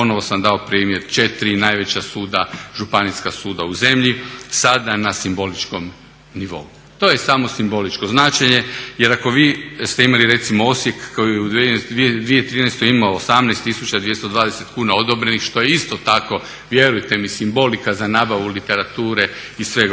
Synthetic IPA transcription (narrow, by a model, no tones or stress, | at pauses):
po̞no̞ʋo̞samd̪ao̞pɾiːmje̞ɾt͡ʃe̞t̪ɾinajʋe̞t͡ɕasuːd̪aʒupaniskasuːd̪auze̞mʎisad̪anasimbo̞lit͡ʃko̞m | niʋo̞̰u | t̪o̞ːje̞samo̞simbo̞lit͡ʃkoznat͡ʃeɲe̞jeɾako̞ʋiːst̪e̞imaliɾe̞t̪simoo̞sje̞kːojijeud̪ʋid̪ʋijet̪ɾiːnɛst̪oimaosamnɛɪst̪ːisut͡ɕad̪ʋje̞st̪od̪ʋaːd̪ese̞t̪kuːnaod̪o̞bɾe̞nixʃt̪o̞jeist̪o̞t̪ako̞ | ʋje̞ɾujt̪e̞misimbo̞likazanaːbaʋulit̪e̞ɾat̪uːɾe̞isʋe̞ɡ